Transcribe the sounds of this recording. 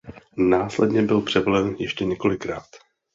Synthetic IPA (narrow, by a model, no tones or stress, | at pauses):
naːslɛdɲɛbɪlpr̝̥ɛvolɛnjɛʃcɛɲɛko̞lɪkɾaːt̪